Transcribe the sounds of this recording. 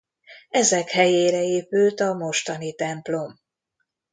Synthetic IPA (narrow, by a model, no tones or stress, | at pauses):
ɛzɛkhɛjeːɾɛeːpylt̪ɒmo̞ʃt̪ɒnit̪ɛmplo̞m